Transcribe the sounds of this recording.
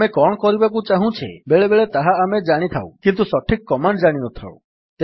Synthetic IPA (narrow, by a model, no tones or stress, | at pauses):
ekɔɽ̃kɔɾibakũt͡ʃaɦũt͡ʃʰḛbeɭebeɭet̪aɦaːmed͡ʒaɽ̃it̪ʰaw̰̃kint̪usɔʈʰikːɔmaɳɖd͡ʒaɽ̃inɔt̪ʰa̰w̰ | t̪e